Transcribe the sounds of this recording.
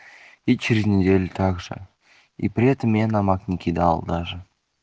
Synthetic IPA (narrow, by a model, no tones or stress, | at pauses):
it͡ʃiɾʲzʲnʲed̪ʲelʲt̪ʰɑkʒə̰ | ḭprʲet̪əmʲenɑmɑknʲekʲʰid̪ɑ̰ːlˠd̪ɑʒə